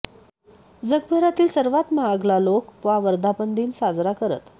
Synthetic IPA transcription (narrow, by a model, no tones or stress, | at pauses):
d͡zəɡ̚pəɾat̪iːlsəɾʋat̪maəɡlalokʋaʋəɾd̪ʱapənd̪ʱiːnsad͡zɾakəɾə̰t̪